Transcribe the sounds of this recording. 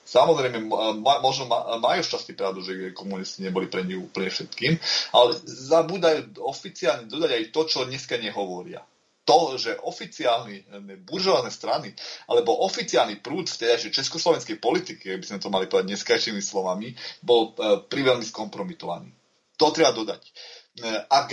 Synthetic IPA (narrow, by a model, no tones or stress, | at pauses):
samɔzɾɛjmɛmmmɔʒnɔmamajuʃt͡ʃascipɾaʊd̪uʒɛiɛkɔmunisciɲɛbɔlipɾɛɲiuːpl̩ɲɛfʃɛt̪kiːmalɛzabuːd̪ajuɔfit͡siaːlɲɛd̪ɔd̪aɟajt̪ɔt͡ʃɔɲɛskaɲɛɦɔʋɔɾɪa̰ | t̪ɔʒɛʔɔfit͡siaːlninɛbuɾʒɔʋanɛst̪ɾania̰lɛbɔʔɔfit͡sialnipɾuːt̪ft̪ɛd̪ajʒɛt͡ʃɛskɔslɔʋɛnskɛjpɔlit̪ikiaɡ̚bizmɛt̪ɔmalipɔɔd̪aɟɲɛskajʃiːmislɔʋamibɔlpɾiʋɛlmiskɔmpɾɔmit̪ɔʋa̰nḭː | t̪ɔt̪ɾɛbad̪ɔd̪ac | ak